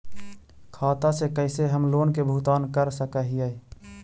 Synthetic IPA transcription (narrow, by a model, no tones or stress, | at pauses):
kʰaːt̪asekəɪseɦəmloːnkebʱʊt̪aːnkəɾsəkəɦijə